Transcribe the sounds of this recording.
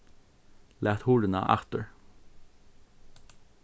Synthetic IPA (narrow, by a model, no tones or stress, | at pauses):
lʔæːt̪huːɖən̩ɑ̰ːʔæ̰t̪əɹ